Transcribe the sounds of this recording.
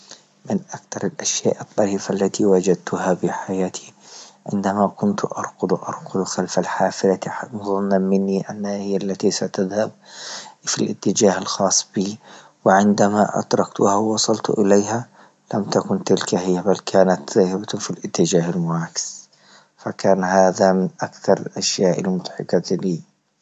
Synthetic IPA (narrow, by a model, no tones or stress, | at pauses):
mɪnʔakt̪ɑɾˤɪlʔaʃjaːʔɨt̪ˤːɑʕiːfʔalːat̪iwad͡ʒad̪̚t̪ʰʊhabɪħajaːt̪ʰi̥ʕɪ̰nd̪amakʊnt̪ʔɑ̰ɾˤqʊd̪ˤʔɑ̰ɾˤqʊd̪ˤxalfalħaːfɪlamʊðˤʊnːamɪnːiʔanːhahɪjːalːat̪isat̪aðhab̚filʔɪt̪ːɪd͡ʒaːhalxɑːsˤːb̥iː | wɪʕɪnd̪amaʔa̰t̪ɾˤɑkt̪hawwɑsˤɑlt̪ʔɪlajha | lamt̪akʊnt̪ɪlkaɦɪjːabalkʰaːnat̪zaːhɪbafilʔɪt̪ːɪd͡ʒaːhalmʊʕaːkɪ̥s | fakaːnhaːðamɪnʔakθɑɾˤɪlʔaʃjaːʔɪ̰lmʊd̪ˤħɪ̰kɑliː